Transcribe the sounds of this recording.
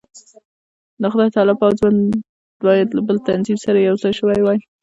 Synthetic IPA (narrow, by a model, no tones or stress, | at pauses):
d̪əxʊd̪ɑjt̪ɑlɪbawzwan | bɑjad̪labəlt̪anzimsaɾajawzɑjʃəwajwɑj